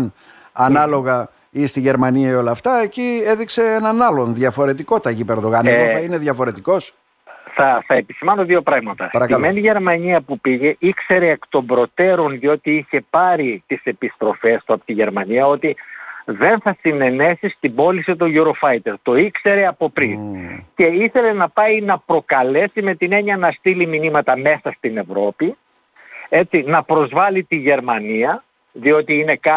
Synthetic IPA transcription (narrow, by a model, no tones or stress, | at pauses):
n | ɐnɐlo̞ɣɐ | ist̪iʝe̞ɾmɐniɐio̞lɐːft̪ɐecieðikse̞enɐnɐlo̞nðʝɐfo̞ɾe̞t̪iko̞t̪ɐʝipe̞ɾðo̞ɣɐneoθɐine̞ðjʝɐfo̞ɾe̞t̪iko̞s | θɐθɐepisimɐnoðio̞pɾɐɣmɐt̪ɐspɐɾɐkɐlmeniʝe̞ɾmɐɲiɐpupiʝe̞ʔikse̞ɾeːkt̪o̞mbɾo̞t̪e̞ɾo̞nðio̞t̪iiçe̞pɐɾit̪ise̞pist̪ɾo̞fe̞st̪uɐpot̪iʝe̞ɾmɐniɐo̞t̪iðe̞nθɐsine̞ne̞sist̪ibo̞lisit̪o̞ʝuɾo̞fɐjt̪e̞ɾt̪o̞ikse̞ɾeɐpo̞pɾince̞iθe̞le̞nɐpɐinɐpɾo̞kɐle̞sime̞t̪ine̞ɲiɐnɐst̪iliminimɐt̪ɐme̞sɐst̪ine̞vɾo̞pi | e̞t͡sinɐpɾo̞zvɐlit̪iʝe̞ɾmɐniɐ | ðio̞t̪iine̞kɐ